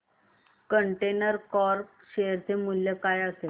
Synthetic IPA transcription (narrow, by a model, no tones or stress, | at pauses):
kəɳʈenəɾkɔɾk | ɕejəɾt̪ʰemuljəkajase